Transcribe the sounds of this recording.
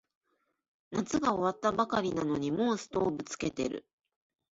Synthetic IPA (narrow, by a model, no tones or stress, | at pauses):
nat͡sɨɡao̞βat̪ːabakaɾʲinano̞ɲ̟imõ̞ːsɨ̥t̪o̞ːbɯ̟t͡sɨ̥ke̞t̪e̞̰ɾɯ̟̰